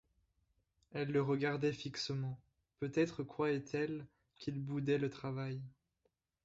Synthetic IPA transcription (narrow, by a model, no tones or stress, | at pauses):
ɛlːəʁəɡaʁd̪ɛfiksəmɑ̃ | pøt̪ɛt̪χəkwaɛt̪ʰɛl | kʰʲilbud̪ɛlət̪χavaj